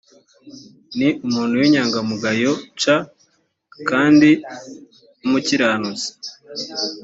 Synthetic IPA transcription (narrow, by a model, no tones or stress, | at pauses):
niʔumuːnhuwiɲaːŋɡamuɡajot͡ʃa | kaːndi | umuciɾaːnuzi̥